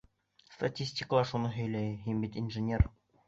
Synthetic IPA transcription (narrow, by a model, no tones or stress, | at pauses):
st̪ɐtʲisʲtʲɪkəlˠɑɾʃunɤɦɵ̆jlæjɦimbit̪inʒɘnʲer